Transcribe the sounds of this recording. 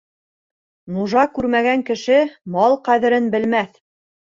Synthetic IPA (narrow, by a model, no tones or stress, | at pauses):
nuʒɑkʉɾmæɡæŋkɘ̆ʃɘmɑlˠqæðɘ̆ɾɘnbɘ̆lmæθ